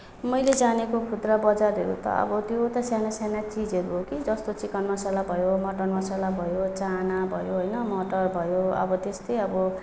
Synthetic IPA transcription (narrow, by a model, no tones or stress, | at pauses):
mʌjled͡zanekokʰud̪rʌbʌd͡zarɦeɾṵt̪ʌ̰ʌ̰bʌt̪jot̪ʌsjanasanat͡sid͡zeɾuɦokid͡zʌst̪ot͡sikʌnmasalabʱʌjomʌʈʌrmasalabʱʌjot͡sanabʱʌjoɦojnʌmʌʈʌrbʱʌjoʌ̰bʌt̪est̪ʌjʌbʌ